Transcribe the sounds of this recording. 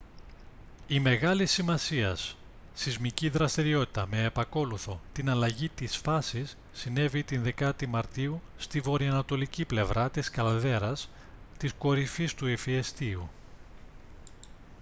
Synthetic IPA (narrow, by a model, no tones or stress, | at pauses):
ime̞ɣɐlisimɐsiɐs | θizmiciðɾɐst̪iɾio̞t̪i̥t̪ɐme̞ːpɐko̞luθo̞t̪inɐlɐʝit̪isfɐsisːine̞vit̪inðe̞kɐt̪imɐɾt̪iust̪ivo̞ɾiɐnɐt̪o̞liciple̞vɾɐt̪iskɐlðe̞ɾɐs | t̪isko̞ɾifist̪uefiest̪iu